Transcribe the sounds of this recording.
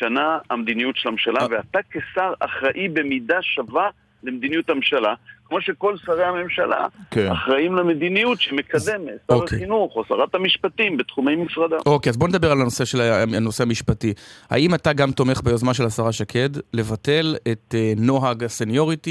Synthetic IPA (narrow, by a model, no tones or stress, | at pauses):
ʃanaːmd̪inijutʃelamʃalaveat̪akesaʁa̰χʁaʔibe̞midaʃava | lemd̪inijuthamʃalakmo̞ʃeko̞lsaʁeame̞mʃala̰keaχʁaimlemed̪inijutʃemekade̞metsaoʁakeinuχoasaʁat̪hamiʃpat̪imbet̪χumejmisʁad̪aokeazbo̞ned̪abe̞ʁalanose̞ʃelano̞seɦamiʃpatiha̰imataɡamt̪o̞me̞χbejozmanʃe̞lasaʁaʃakʰe̞dle̞vate̞le̞t̪eno̞ɦaɡasenjo̞ʁiti